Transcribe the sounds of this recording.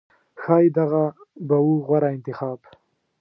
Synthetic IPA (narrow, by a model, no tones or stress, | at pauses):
xɑːjd̪aɣabawuɣwaɾaɪnt̪ɪxɑːb